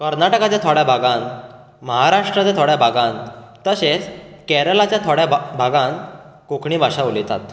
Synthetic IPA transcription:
kəɾnaʈəkat͡ɕjat̪ʰoɽjabʱaɡãn | məɦaɾaʂʈɾət͡sat̪ʰoɽjabʱaɡãnt̪əset͡skɛɾəlat͡ɕjat̪ʰoɽjabʱaɡãn | kokʰɳiːbʱaɕaulit̪a̰t̪

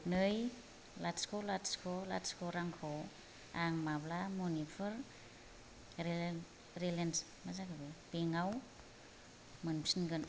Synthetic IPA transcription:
nɯj | latskʰolatskʰola̰tskʰoɾaŋkʰo | aŋmablamonipʰɯɾ | ɾelens | mazakabebeŋaw | mɯnpsinɡɯn

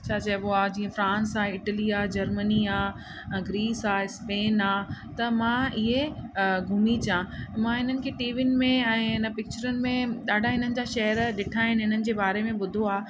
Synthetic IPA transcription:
t͡ɕʰaːt͡ɕɐɦɪɓoaːd͡ʑiːə̃fɾãːnsaːɪʈəliaːd͡ʑɐɾməniaː | ɡɾiːsaːspeːnaːt̪ɐmãɪɦeɡʱʊmit͡ɕjãmãɪn̤ənɪ̆kʰeːʈiːʋɪn̆mẽɛ̃ːɪnəpɪk̚t͡ɕəɾənɪ̆mẽɗaːɖʱaɦɪn̤ənɪ̆d͡ʑaʃɐɦəɾɗɪʈʰaːɦɪnɪɦɪn̤ənɪ̆d͡ʑeːbaːɾemẽɓʊd̪ʱoaː

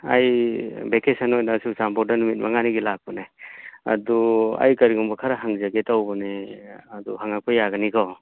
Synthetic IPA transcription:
a̰jbekesanojnasusampɔɾ̚danumit̚maŋaniɡilak̚pɔnea̰dua̰jkɐɾiɡɔmbɔkʰaɾaɦaŋzaɡetawbɔneaduhaŋak̚pʰajaɡanikʰɔ

